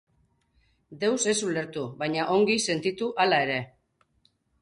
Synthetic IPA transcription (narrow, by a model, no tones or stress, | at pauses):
d̪e̞wse̞sule̞ɾt̪uβaɲaʔo̞ŋɡise̞nt̪it̪uʔalae̞ɾe̞